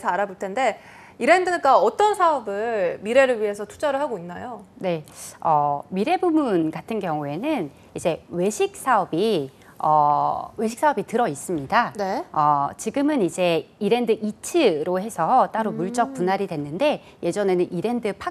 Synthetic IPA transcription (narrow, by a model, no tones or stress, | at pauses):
sʰaɾaboɭtʰende̞ | iɾe̞ndɯɡaʌt͈ʌnsʰaʌbɯɭmiɾe̞ɾɯɭɥiɦe̞sʰʌtʰu̥d͡ʑaɾɯɭɦaɡoinːajone̞ʌmiɾe̞bumunɡatʰɯnɡjʌŋue̞nɯn | id͡ʑe̞we̞ɕʰik̚s͈aʌbi | ʌwe̞ɕʰi̥k̚s͈ʰaʌbitɯɾʌis͈ɯmɲidanʌt͡ɕiɡɯmɯnid͡ʑe̞iɾe̞ndɯʔit͡ɕʰɯɾohe̞sʰʌt͈aɾomuɭt͡ɕ͈ʌk̚punɦaɾidwe̞nːɯnde̞ | je̞d͡ʑʌne̞nɯnʔiɾe̞ndɯpʰa